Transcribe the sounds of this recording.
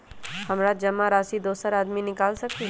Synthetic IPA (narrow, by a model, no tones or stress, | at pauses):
hɐmɾad͡ʒɐmːaɾaːsid̪oːsəɾaːd̪minɪkaːlsɐk̚t̪iɦ